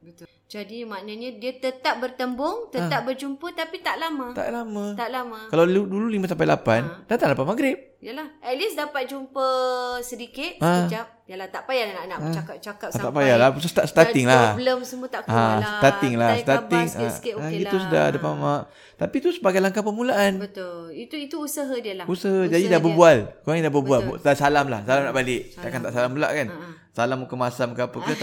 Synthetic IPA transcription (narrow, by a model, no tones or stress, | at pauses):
bət̪ | d͡ʒadimanaɲadiat̪ət̪ap̚bərt̪əmbʊŋt̪ət̪ap̚bərd͡ʒumpət̪apit̪aʔlamat̪a̰ʔlamãt̪aʔlamãkalawludululimãs̬amp̬ajlapandat̪aŋlapanmaɡɾɪp̚jalahɛt̪̚lisdapat̪̚d͡ʒumpəsədikɪt̪̚ad͡ʒap̚jalaht̪aʔpajalnaʔnaʔat͡ʃakap̚t͡ʃakatt̪aʔpajalabəs̬əst̪asə̥t̪at̪ɪŋlahbləmsəmuət̪akasət̪at̪ɪŋlasə̥t̪at̪ɪŋaɡit̪usəda̰hdəpamaʔ | t̪apit̪usəbaɡajlaŋkapəmulaʔanbət̪it̪uit̪uusəɦədiəlausaɦad͡ʒadidabəbualkoaŋdabəbualb̪asalamlahsalamnaʔbalɪʔt̪aʔkant̪aʔsalambula̰ʔkan | salamukəmasamkapəkə